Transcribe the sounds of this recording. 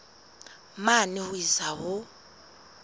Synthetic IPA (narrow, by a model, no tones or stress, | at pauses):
manɪhʊisahʊ